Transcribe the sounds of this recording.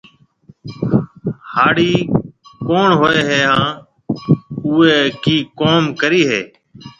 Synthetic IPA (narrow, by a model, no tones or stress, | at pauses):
haːɽiːkoːɳɦoːeːɦeːɦãː | ʊːeːkiːkoːmkəɾiːɦḛː